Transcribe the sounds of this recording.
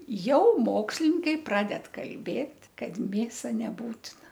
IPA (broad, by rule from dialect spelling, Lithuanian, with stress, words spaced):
ˈjɛʊ ˈmoːksʲlʲɪnʲɪŋkɐɪ ˈprɑːdʲɛt kɐlʲˈbʲeːtʲ ˈkɐt ˈmʲeːsɐ nʲɛˈbuːtʲɪnɐ